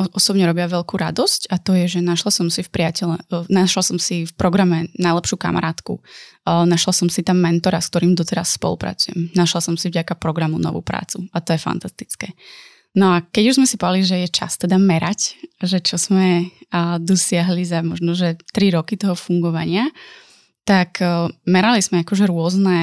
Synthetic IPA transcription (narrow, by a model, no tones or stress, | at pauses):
ʔɔsɔbɲɛɾɔbɪaʋɛʎkuːɾa̰d̪ɔscat̪ɔjɛʒɛnaʃlasɔmsifpɾɪacɛʎɛnaʃlasɔmsifpɾɔɡɾamɛnajlɛpʃuːka̰mʔa̰ɾaːt̪kṵnaʃlasɔmsit̪amːɛnt̪ɔɾask̚t̪ɔɾiːmd̪ɔt̪ɛɾasːpɔ̰lˠṵpɾa̰t͡sujɛ̰mnaʃlasɔmsivɟakapɾɔɡɾamunɔ̰ʋṵːpɾa̰ːt͡suat̪ɔjɛfa̰nt̪ast̪i̥t͡skɛː | nɔakɛɟuʒzmɛsipɔʋaliʒɛjɛt͡ʃa̰st̪ɛd̪amɛɾʔacʒɛt͡ʃɔz̥mɛ | d̪ɔsɪaɦlizamɔʒnɔʒɛt̪ɾiɾɔkit̪ɔɦɔfuŋɡɔʋaɲɪa | t̪akmɛɾalizmɛakɔʒɛɾʊɔznɛ